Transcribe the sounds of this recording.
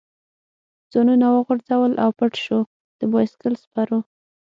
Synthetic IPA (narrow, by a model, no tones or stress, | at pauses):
d͡z̥onunawəɣʊɾd͡zawəlʔawpəʈʃu | d̪̥əbɑjɪskəlspaɾu